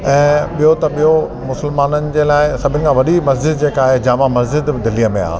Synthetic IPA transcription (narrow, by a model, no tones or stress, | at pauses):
ɛ̃ːɓijot̪ɐɓijo | mʊsɪlmaːnənɪ̆d͡ʑeːlaːɪsɐbʱɪnɪ̆kʰãʋɐɗimɐs̬d͡ʑɪd̪d͡ʑeːkaːɦed͡ʑaːmãmɐsd͡ʑɪd̪d̪ɪlijəmẽa̰ːɦ